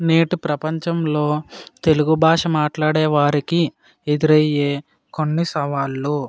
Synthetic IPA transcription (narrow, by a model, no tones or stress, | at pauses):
neːʈupɾɐpɐɲt͡ʃɐmlo̞ːt̪e̞luɡubʱaːʂɐmaːʈlaːɽɛːʋaːɾiki | ed̪uɾɐjːeː | konːisɐʋaːlːu